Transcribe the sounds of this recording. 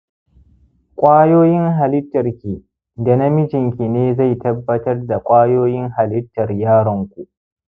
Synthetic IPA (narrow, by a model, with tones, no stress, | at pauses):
kʷʼaː˦joː˦jɪ˦ŋɦa˨lɪ˦tːɐ˨rkʲiː˨ | da˨na˦mɪ˦d͡ʒɪ˨ŋkʲi˨neː˦za˦˨jtɐ˦bːɐ˦tɐ˦rda˨kʷʼaː˦joː˦jɪ˦ŋɦa˨lɪ˦tːɐ˨rjaː˦ɽɐ˨ŋkʷu˨ʔ